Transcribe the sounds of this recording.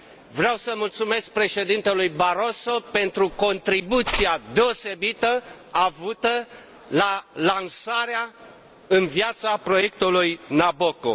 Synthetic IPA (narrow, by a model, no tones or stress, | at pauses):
vɾeawsəmult̪sume̞sk̚pɾe̞ʃe̞d̪int̪elujbaɾo̞so̞pe̞nt̪ɾuko̞nt̪ɾibut̪siad̪e̞o̞se̞bit̪əavut̪ə | lalansaɾea | ɨnvjat̪sapɾo̞je̞kt̪ulujnaboko̰